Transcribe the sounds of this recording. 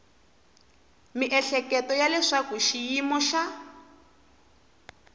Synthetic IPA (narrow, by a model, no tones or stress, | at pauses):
miʔɛɬɛkɛtɔjalɛʂakuʃijimɔʃa